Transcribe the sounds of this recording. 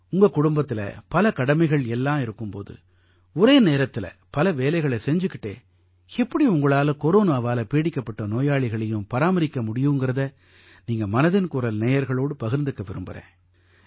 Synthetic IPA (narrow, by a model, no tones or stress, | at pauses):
ʊŋɡɐkʊɽʊmbɐt̪ːɪlɐ̰pɐlɐkɐɽɐmɐɪɣɐɭɛlːãːɪɾɯkːɯmpo̰ːðɯ̰ | ɔɾeːneːɾɐt̪ːɪlɐ̰pɐlɐʋeːlɐɪɣɐɭɐsɛɲd͡ʒɯkːɪʈːḛː | ɛpːɐɽiʊŋɡɐɭaːlɐkɔɾoːnaːʋaːlɐpeːɽɪkːɐpːɐʈːɐnoːjaːɭɪɣɐɭɐjɯmpɐɾaːmɐɾɪkːɐmʊɽɪjɯŋɡɪɾɐðɐ | niːŋɡɐmɐnɐðɪnkʊɾɐlneːjɐɾɣɐɭoːɽɯpɐɣɪɾnd̪ɯkːɐʋɪɾɯmbɯ̰ɾḛ̃ː